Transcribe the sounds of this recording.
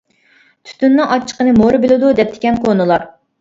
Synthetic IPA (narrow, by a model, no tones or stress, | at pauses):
t̪ʰy̥t̪ʰynːɨŋʔɑt͡ʃʰːə̥qənɨmoɾɨbɪlɪd̪ud̪ɛp̚t̪ʰɪ̥kʲɛnkʰonɨlˠɑɾ